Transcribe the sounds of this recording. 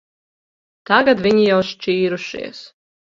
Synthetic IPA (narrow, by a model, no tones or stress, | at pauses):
t̪aɡad̪vʲiɲijawʃt͡ʃiːɾuʃḭɛs